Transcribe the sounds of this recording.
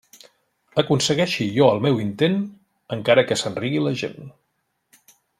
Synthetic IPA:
əkunsəɣɛʃijɔəlˠmɛwint̪en | əŋkaɾəkəsənriɣiləʒḛn

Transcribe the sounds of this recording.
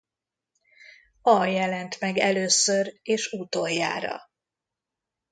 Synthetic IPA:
ɒjɛlɛnt̪mɛɡɛløːsøɾeːʃut̪ojːa̰ːɾɒ̰

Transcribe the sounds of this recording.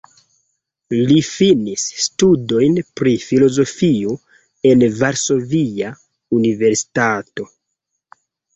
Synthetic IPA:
lifinisːtudo̞jnpɾifilo̞zo̞fio | e̞nvaɾso̞via | unive̞ɾsi̥tato̞

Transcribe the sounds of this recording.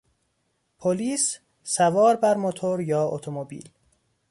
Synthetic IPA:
pʰoliːs | sævɒːɾbæɾmot̪ʰoɾjɒːot̪ʰomobḭːl

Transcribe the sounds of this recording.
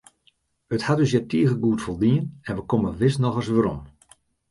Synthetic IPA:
əthadøsjɛtiːəɣəɡuətfolˠdiənɛnʋəkoməʋɪsnɔxəsʋəɾɔm

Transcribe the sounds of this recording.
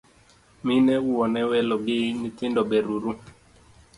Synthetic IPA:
minɛuwɔnɛwɛlɔɡɪnitɪndɔbeɾuɾu

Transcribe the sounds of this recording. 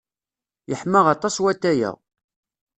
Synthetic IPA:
jəħməʁɑt̪ˤɑswæt̪ːæjə̰ʁ

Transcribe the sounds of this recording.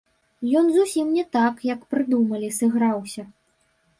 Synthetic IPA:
jɔnzusʲimnʲɛt̪akjɐkpɾɨd̪umɐlʲisɨɣɾawsʲɐ

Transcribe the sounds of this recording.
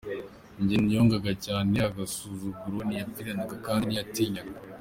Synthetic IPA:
ɲɟenijo̞ːŋɡaɡacaːneaɡasuːzuɡuɾonijapiɾanaɡakaːndijatiːɲaɡa

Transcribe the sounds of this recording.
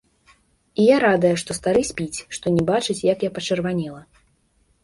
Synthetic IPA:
ijaɾad̪ɐjɛʂt̪ɔst̪aɾɨsʲpʲit͡sʲʂt̪ɔnʲɛbat͡ʂɨt͡sʲjakjapɐt͡ʂɨrvanʲɛlˠɐ

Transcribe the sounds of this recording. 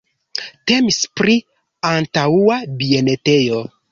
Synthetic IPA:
te̞mispɾi | antauabie̞ne̞tejo̞

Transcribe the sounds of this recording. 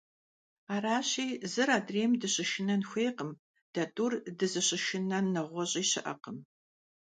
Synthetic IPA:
aːraːɕiːzɨɾaːdreːmdɨɕɪʃɪnɐnxʷeːqəm | d̥ɐtʼurdɨzɨɕɪʃɪnɐnɐʁʷɔɕʼiːɕɪʔɐ̰qəm

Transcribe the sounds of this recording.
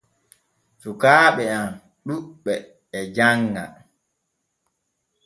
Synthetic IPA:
sukaːɓɛam | ɗuɓɛː | d͡ʒaŋːa̰

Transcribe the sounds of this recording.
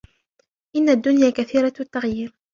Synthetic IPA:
ʔɪnːad̪ːʊnjaːkaθiːɾˤɑt̪ːaɣjiːɾ

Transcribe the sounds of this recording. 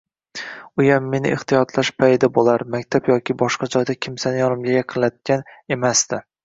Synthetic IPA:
ʊjamːe̞nɪ̰ʔɪht̪ijɒt̪laʃpʰajd̪abolaɾmakʲt̪ʰapjɒkʲʰɪbɒʃqɑd͡ʒɒjd̪akʲʰɪmsanɪjɒnɪmlɪɡʲaqʰɨlat̪̚kʲane̞masd̪ɪ

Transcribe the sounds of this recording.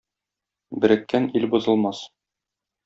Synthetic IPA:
bɘ̆ɾɘ̆kːænilbuzɤ̆lˠmɑs

